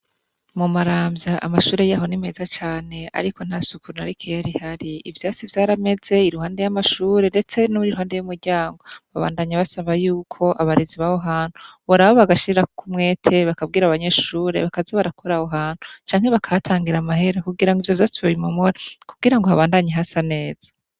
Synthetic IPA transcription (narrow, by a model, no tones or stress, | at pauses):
mumaɾaːmjaʔamaʃuːɾe̞jaɦo̞nimezat͡ʃaːne̞a̰ɾiko̞n̥hasukuɾunaɾikʰejaɾihaɾiivjaːt͡sivjaːɾame̞ze̞iɾuhaːnde̞jamaʃuːɾe̞nde̞t͡se̞noβuɾiɾuɦaːndejumuɾɟaːŋɡo̞βaβa̰ːndaɲaβasaβajuːkʰo̞ʔaβaɾiziβaho̞ɦaːn̥hu̥βoɾaβoβaɡaʃiɾɾakkʰumŋe̞ːtʰe̞βakab̚ɡiːɾaβaɲe̞ʃuːɾe̞̰βakazaβaɾakʰo̞ɾaho̞ɦaːn̥hut͡ʃaːŋ̥e̞βakʰajatʰaːŋɡiɾamaɦe̞ɾokuɡiɾaŋɡivjo̞vjaːt͡siβaβimomoɾakubɡiɾaŋɡohaβaːndaɲeɦasane̞ːz̥ḁ